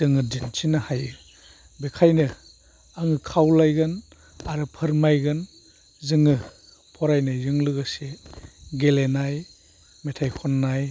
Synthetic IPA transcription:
dɯŋɯdint͡ʃʰinahaj | bekʰajnɯ | aŋɯkʰawlajɡɯn | aɾɯpʰɯɾmajɡɯn | zɯŋɯ | pʰɔɾajnazɯŋlɯɡɯseɡelenaj | metʰajkʰɔnːaj

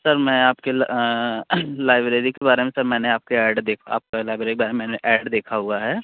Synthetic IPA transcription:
səɾmɛ̃ːaːpkel | laːɪbɾeːɾikebaːɾemẽsɐɾmɛ̃ːneaːp̚keɛːɖd̪eːkʰa̰ːp̚kelaːɪbɾeːɾikebaːɾememɛːneʔɛːɖd̪eːkʰaɦʊaɦɛː

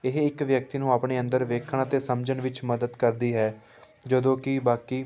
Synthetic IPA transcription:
ɪɦɪkʋjək̚t̪iːnũːaːpɳeːənd̪əɾʋeːkʰəɳaːt̪eːsəmd͡ʒəɳʋɪt͡ʃməd̪əd̪kəɾd̪iːɦɛː | d͡ʒəd̪õːkɪbaːkiː

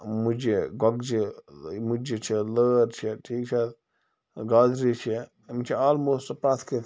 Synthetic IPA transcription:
mud͡ʒeɡɔɡ̚d͡ʒemud͡ʒet͡ʃʰiləːɾt͡ʃʰiʈʰiːk̚t͡ʃʰɛ | ɡaːd̪ɾit͡ʃʰi | mt͡ʃʰiaːlmoːsʈpɾat̪ʰke

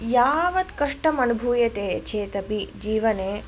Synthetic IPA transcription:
jaːʋɐt̪kɐʂʈɐmɐnubʱuːjɐt̪eːt͡ʃʰeːt̪ɐpid͡ʒiːʋɐneː

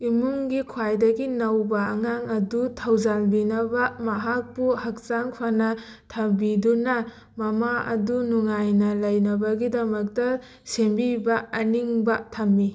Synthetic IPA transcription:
imuŋɡikʰwajdɐɡinɐwbɐːŋaŋɐdutʰawzalbinɐbɐmɐɦak̚puhak̚t͡ʃaŋpʰanɐtʰɐbidunɐ | mɐmaɐ̰dunuŋajnɐlɐjnɐbɐɡidɐmɐk̚tɐ | sembibɐːniŋbɐtʰɐmːi

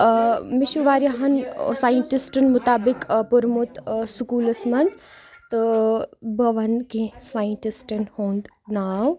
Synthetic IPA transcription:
mɪʃuʋaːɾjɐɦɐnsaːjəɳʈisʈɐnmʊt̪aːbɪkpʊɾmut̪sukuːlɐsmɐnzt̪ɨ | bɐʋɐnkẽsaːjəɳʈisʈɐnhoːnd̪ | naːw

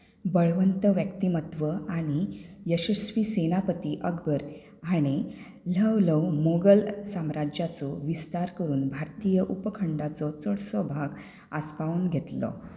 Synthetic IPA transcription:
bəɭʋənt̪əʋjəkt̪imət̪ʋəaɽ̃ijəɕəsʋiːsenapət̪iʔəɡbʱəɾ | aɽ̃i | ləwləwmoɡəlsamɾad͡ʑjat͡sɔʋist̪aɾkəɾuːnbʱaɾt̪ijəʔupəkʰəɳɖat͡sɔt͡sɔɽsɔbʱaɡ | aspauːnɡʱet̪lɔ̰

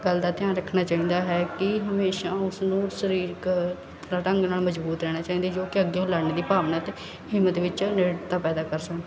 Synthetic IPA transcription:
ɡəld̪aːt̪ɪjãːɾəkʰnaːt͡ʃaːĩːnd̪aːɦɛːkɪɦəmeːʃaːʊsnũːsəɾiːɾkʰ | aːʈə̃ŋɡnaːlməd͡ʒbuːt̪ɾɛːɽaːt͡ʃaːĩːnd̪eːd͡ʒoːkɪəɡːeːɦʊlaːɾneːd̪iːpaːʋnət̪ | ɦɪmət̪ʋɪt͡ʃneːɽt̪aːpɛːd̪aːkəɾsəkn

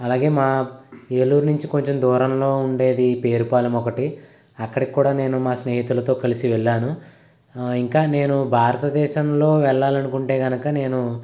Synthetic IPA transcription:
ɐlaːɡe̞ːmaːeːluːɾnuɲt͡ʃiko̞ɲt͡ʃemd̪ʱɔːɾɐmlo̞ːuɳɖe̞ːd̪ipe̞ːɾupaːlɐmɔkɐʈi | ɐkːɐɽikʲkuːɽaːne̞ːnumaːsneːɦit̪ulɐt̪o̞ːkɐlisiʋɛɭːaːnu | iŋkaːne̞ːnubʱaːɾɐt̪ɐd̪ɛːʃɐmlo̞ːʋɛɭːaːlɐnukuɳʈe̞ːɡɐnɐkɐne̞ːnu

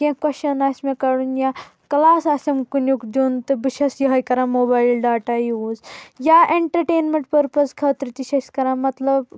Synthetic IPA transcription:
kʲẽkɐʃɐnaːsʲmekɐɽunja | kɐlaːsasʲɐmkunjukd̪ʲuːnt̪ɨbiʃɐsjɐɦɐjkɐɾãːmoːbaːilɖaːʈajiuzjaʔeɳʈɐɾʈeːnmẽɳʈ̚pəɾpɐskʰɐːt̪ɾɨt̪iʃɐsʲkɐɾãːmɐt̪lɐb

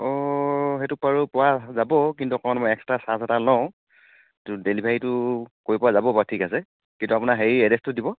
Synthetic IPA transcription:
ɔɦetupaɹupʊwazabɔkintukɔɔnmɔjɛksɛ̥tasasɛtalɔʊ̃ | etudelibʱaɹitʊkoɹipʊwazabɔbatʰikasɛ | kintuapʊnaɦeɹiɛdɛstʊdibɔ

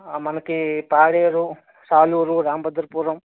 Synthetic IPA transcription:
mɐnɐkipaːɽeːɾu | saːluːɾuɾaːmbɐd̪ɐɾpuːɾɐm

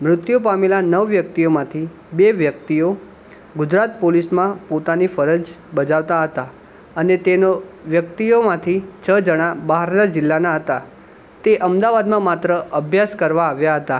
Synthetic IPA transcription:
mɾʊt̪jupamelanəʋːjək̚t̪iomãt̪ʰi | beʋjəkt̪io | ɡʊd͡ʒɾat̪polismãpot̪anifəɾəd͡ʒ | bəd͡ʒaʋt̪aɦət̪a | ənet̪enoʋjək̚t̪iomãt̪ʰit͡ʃʰəd͡ʒəɽ̃abaɦaɾnad͡ʒɪlːanaɦət̪a | t̪eʔəmd̪aʋad̪mãmat̪ɾəəbʱjaskəɾʋaːʋjaɦət̪a

